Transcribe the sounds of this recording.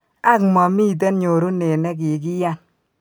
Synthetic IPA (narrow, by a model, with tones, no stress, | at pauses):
a˦kmɔ˨mi˦˨t̬e˦nɲo˨ɾu˦ne˨nɛ˦k̬i˨k̬i˦ja˦˨n